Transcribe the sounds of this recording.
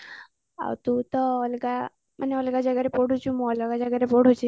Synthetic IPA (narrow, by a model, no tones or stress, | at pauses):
a̰wt̪ũt̪ɔɔlɡa | mʔəneɔlɡad͡ʒəɡəɾepɔɽʱũt͡ʃʰũmõɔlɡad͡ʒaɡəɾepɔɽ̤ʱũt͡ʃʰi